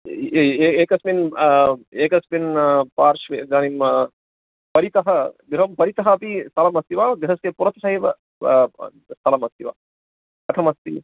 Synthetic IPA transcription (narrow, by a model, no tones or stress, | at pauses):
eːkɐsmin | eːkɐsminpaːɾʃʋed͡ʒaːnim | pɐɾit̪ɐɦɐɡ̪ɾɐɦɐmpɐɾit̪ɐɦɐːpisɐlɐmɐst̪iʋaːd̪iɦɐskepuɾɐt̪sɐɦiʋɐ̰ | sɐlɐmɐst̪iʋa̰ː | ɐt̪ʰɐmɐst̪ḭ